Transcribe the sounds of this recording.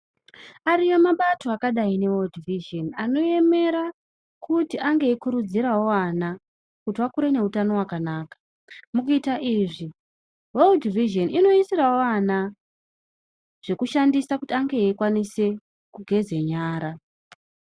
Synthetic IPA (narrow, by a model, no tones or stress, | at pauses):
aɾijo̞maɓato̞akaɗaine̞weldiviʒonano̞e̞me̞ɾa | kutiʔaŋɡe̞ːkuɾud͡ziɾawo̞ana | kutiwakuɾe̞ne̞utano̞wakanaːkḁ | mukuitaʔiʐi | weldiviʒo̞nino̞isirawoana | ʐ̥e̞kuʃandisakutiaŋɡe̞ːkwanise̞ | kuɡʱe̞ze̞ɲaːɾa